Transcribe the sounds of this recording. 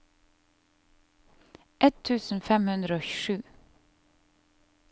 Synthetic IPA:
ʔɛt̪ʰʉːsn̩fɛmhʉnd̪ɾəoːçʏʃʉː

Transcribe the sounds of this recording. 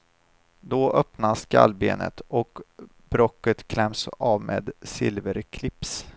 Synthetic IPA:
d̪ɔʔœpnaskʰa̰lbeːnʔə̰t̪ɔk | b̥ɾɔkːət̪kʰlɛmsɑːvmeːd̪sɪlvəɾkʰlɪps

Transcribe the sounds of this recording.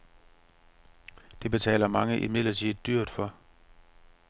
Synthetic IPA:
d̥e̝b̥e̝t͡sʰɛ̰ːlɐmɑ̈ŋəʔimi̥lɐt͡sʰid̥yɐ̰d̥fɒ̽

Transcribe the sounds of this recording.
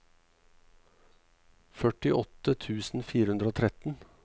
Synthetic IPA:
fœʈɪʔɔt̪ət̪ʰʉːsn̩fiːɾəhʉnd̪ɾəoːt̪ʰɾɛt̪n̩

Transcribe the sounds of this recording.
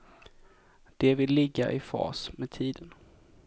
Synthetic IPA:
d̪̥ɛvɪlːɪɡːa̰ʔɪfɑ̰ːsmɛːd̪̚t̪ʰiːd̪ən

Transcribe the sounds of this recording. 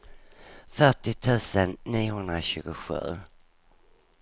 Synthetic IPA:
fœʈɪt̪ʰʉ̟ːsənːiːʊhɵnd̪ɾaɕʉ̟ːɡʊɧʉ̟ː

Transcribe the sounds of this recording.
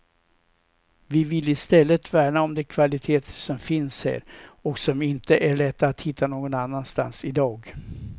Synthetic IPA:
vɪvɪlːɪst̪ɛlːət̪væːɳaɔmd̪ɛkʰvalɪt̪ʰeːt̪sɔmfɪnshæ̰ːɾɔksɔmɪnt̪əʔæɭɛt̪ːaat̪hɪt̪ːanoːɡɔnanːanst̪a̰nsɪd̪ɑːɡ

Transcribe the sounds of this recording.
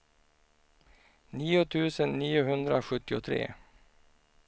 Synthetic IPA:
niːʊt̪ʰʉ̟ːsənːiːʊɦɵnd̪ɾaɧɵt̪ːɪʊt̪ʰɾḛː

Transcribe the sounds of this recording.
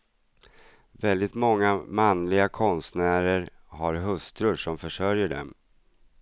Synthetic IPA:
vɛld̪ɪt̪mɔŋːamanlɪɡakʰɔnst̪næːɾəɾ | haɾɦɵst̪ɾʊʂɔmfœʂœɾjəɖɛ̰m

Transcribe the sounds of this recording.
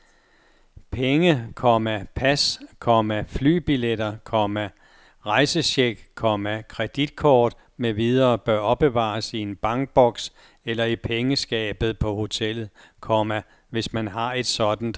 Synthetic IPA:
pʰeŋəkʰɒ̽mæpʰæskʰɒ̽mæfly̰ːb̥iled̥ɐkʰɒ̽mæ | ʁɑ̈ɪsəɕeɡ̥kʰɒ̽mækʰʁɛd̥id̥̚kʰɒːd̥ | meʋiðˠɐːb̥ɶɐɒ̽b̥e̝ʋɑ̰̈ːsie̝nb̥ɑ̈ŋɡ̥̚b̥ɒ̽ɡ̥s | elɐipʰeŋəsɡ̥ɛ̰ːb̥ð̞̩ˠpʰɒ̽ho̝t͡sʰel̰ð̩ˠ | kʰɒmæ | ʋe̝smænɦɑ̈e̝d̥sɒ̽d̥n̩d̥

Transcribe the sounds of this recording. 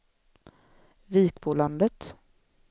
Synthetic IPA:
viːkpʰʊland̪ət̪

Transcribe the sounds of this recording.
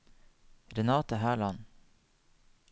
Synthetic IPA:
ɾɛnɑːt̪əɦæːɭɑn

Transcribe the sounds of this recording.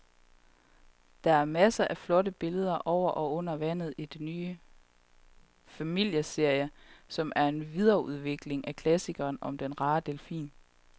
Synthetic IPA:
d̥ɑ̈æɐmæsəʔæflɒ̽ɾəb̥e̝ləð̞ˠɐʔɒʊ̰ɐʔɒ̽ɔ̽n̰ɐʋæn̰ð̞̩ˠid̥enyː | fæmil̰jəse̝ɐ̰jəsɒ̽mʔæɐe̝nʋiðˠɐuð̞ˠʋe̝ɡ̥le̝ŋækʰlæsiɡ̥ɐːnɒ̽md̥enʁɑ̈ːd̥e̝lfḭːn

